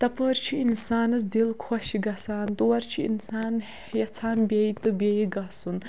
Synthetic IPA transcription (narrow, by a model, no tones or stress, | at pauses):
t̪ɐpəɾt͡ʃʰiinsaːnɐs̬d̪ilkʰɔʃiɡɐsaːnt̪uwɐɾt͡ʃʰiḭnsaːn | jɐt͡sʰaːnbʲeit̪ɨbʲejiɡɐsun